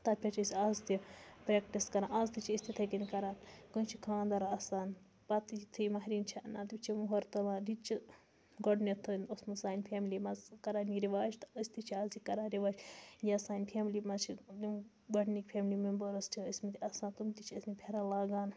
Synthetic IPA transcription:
t̪ɐpʲʰɐt͡ʃʰisʲiaːzt̪ipɾeːkʈiskɐɾãːnɐzt̪it͡ʃʰiisʲt̪ʰit̪ʰɐkinʲikɐɾaːnkɨnt͡ʃʰikʰãːnd̪ɐɾɐsaːn | pɐt̪t̪ʰijmɐɦɾint͡ʃʰɐnat̪it͡ʃʰimuɦoɾt̪ɐlaːɾit͡ʃʰi | ɡɔɖnit̪ʰɨnosmɨsaːnʲpʰeːmlimɐzkɐɾaːniɾiʋaːd͡ʒt̪ɨsʲt̪it͡ʃʰiaːzikɐɾaːnɾiʋaːd͡ʒjʲɐsaːnʲpʰeːmlimɐt͡ʃʰid̪i | ɡɐɖnikpʰʲemlimembɐɾɐsʈʰiismit̪iɐsãːnt̪umt̪it͡ʃʰiɐsmipʰʲeɾalaːɡaːn

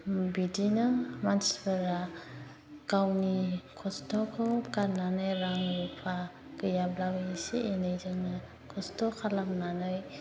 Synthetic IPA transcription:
bidinɯmansbəɾa | kawnikʰɔstʰɔkʰɔkaɾnanɯjɾaŋɾupʰa | kɯjablabɯisienɯjzɯŋnɯ | kʰɔstɔkʰalamnanɯj

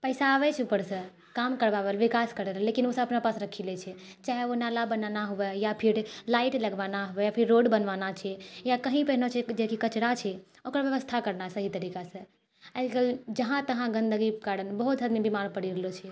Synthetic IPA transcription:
pəɪsaːβɛt͡ʃʰupəɾsə̃ | kamkəɾbabelʋikaskəɾɛɾəlːekinosəəpnapasɾəkʰilɛt͡ʃʰɛ | t͡ʃaɦeonalabənanaɦubɛjapʰiɾlaiʈləɡʋanaɦubɛjapʰiɾːoɖbənʋanat͡ʃʰɛjakəɦĩpɛɦnot͡ʃʰɛd͡ʒekikət͡ʃɽat͡ʃʰɛ | okɾbjəʋəst̪ʰakəɾnasəɦit̪əɾikasə̃ | ɛlɡəld͡ʒəɦãt̪əɦãɡə̃nd̪əɡikaɽənbəɦut̪ɦəd̪mibimaɾpəɽiɾəlot͡ʃʰɛ

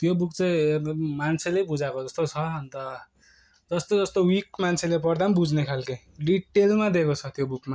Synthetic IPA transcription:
t̪jobukt͡saĩmant͡sʰelebud͡zakod͡zʌst̪ot͡sʰʌʌnt̪ʌ | d͡zʌst̪od͡zʌst̪owikmant͡sʰelepʌrd̪ambud͡znekʰalkʌj | ɖiʈːelmad̪ekot͡sʰʌt̪jobukma

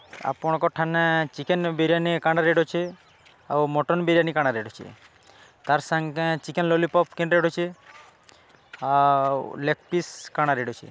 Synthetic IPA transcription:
a̰pɔɽ̃kɔʈʰanet͡ʃikenbeɾianikaɳɖaɾeɖot͡ʃʰe | a̰wmɔʈɔnbeɾijanikaɽ̃aɾeɖot͡ʃʰḛ | t̪aɾsaŋkẽt͡ʃikenlɔlipɔpkẽɳɖɾeɖot͡ʃʰe | awlek̚piskaɽ̃aɾeɖot͡ʃʰḛ

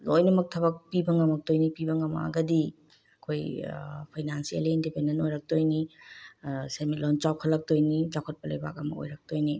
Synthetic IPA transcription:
lojnɐmɐk̚tʰɐbɐk̚pibɐŋɐmɐk̚tojnipibɐŋɐma̰ɡɐdi | ɐkʰojpʰajnansielindipendenojɾɐk̚tojni | seɾmit̚lɔnt͡ʃaw̚kʰɐlɐk̚tojnid͡ʒakʰot̚pɐlɐjba̰k̚ɐmɐo̰jɾɐk̚tojni

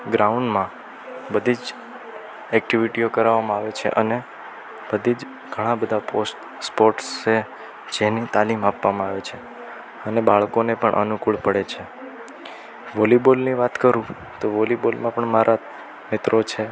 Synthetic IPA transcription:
ɡɾauɳɖmã | bəd̪ʱid͡ʒ | ɛk̚ʈiʋiʈiokəɾaʋamãaʋet͡ʃʰḛʔəne | bəd̪ʱid͡ʒ | ɡ̥ʱəɽ̃ãbəd̪ʱaposʈ | spoɾʈse | d͡ʒenit̪alimapʋamãaʋet͡ʃʰe | ənebaɭkonepəɳʔə̰nukuɭpəɽet͡ʃʰe | ʋolibolniʋat̪kəɾũ | t̪oʋolibolmãpəɳmaɾʔa | mɪt̪ɾot͡ʃʰe

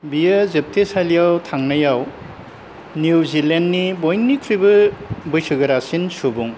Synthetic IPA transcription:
bijɐzep̚tʰesalijawtʰaŋnɐjaw | njuzilendːibojnːikʰɾibɯbɯjsɯɡɐɾasinsubuŋ

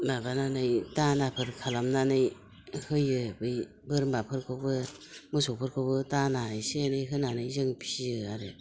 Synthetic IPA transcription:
mabananɯjtanapʰɯɾkʰalamnanɯj | hɯjɯbɯj | bɯɾmbapʰɯɾkʰɯbɯ | mɯsopʰɯɾkʰɯbɯtanajsenɯjɦɯnanɯjzɯŋpʰiɯaɾe

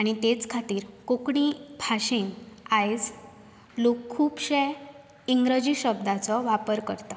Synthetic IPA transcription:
aɽ̃it̪et͡skʰat̪iːɾkokɳibʱaɕenajd͡z | lokʰːuːpɕe | iŋɡɾəd͡ʑiɕəb̚d̪ʱat͡sɔʋapəɾkəɾt̪a

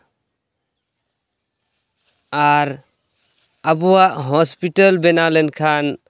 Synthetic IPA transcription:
aɾ | abuwaʔɦɔspitalbɛnalɛnkʰan

